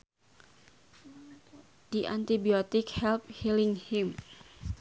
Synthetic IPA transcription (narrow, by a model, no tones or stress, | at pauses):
d̥iʔant̪ibiɔt̪ɪkhɛlp̚hiliŋhim